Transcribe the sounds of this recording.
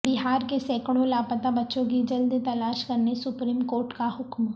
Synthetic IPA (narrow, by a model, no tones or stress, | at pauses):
bɪɦaːɾkesɛːkɽõlaːpət̪abɐtːʃõk̬id͡ʒɐld̪t̪ɐlaːʃkɐɾnesʊpɾiːmkoːɾʈkaɦʊkm